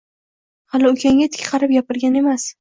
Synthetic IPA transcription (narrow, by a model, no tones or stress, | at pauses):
halɪʊkʲʰaŋɡʲat̪ʰɪ̥kʲqʰɑɾɪp̚japɪɾɡʲane̞mas